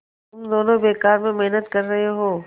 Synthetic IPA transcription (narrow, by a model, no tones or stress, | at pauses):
t̪ʊmd̪oːnõbeːkaːɾmẽmeɦnət̪kɐɾːɐɦeɦoː